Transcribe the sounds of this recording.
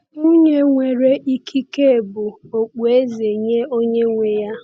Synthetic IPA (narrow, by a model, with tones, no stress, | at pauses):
ŋu˦ɲe˦ŋʷe˨ɾe˦ʔi˦kʰi˦ke˦e˨bʊ˨o˨k͡pe˦ze˨ɲe˦o˦ɲe˦ŋʷe˨ja˦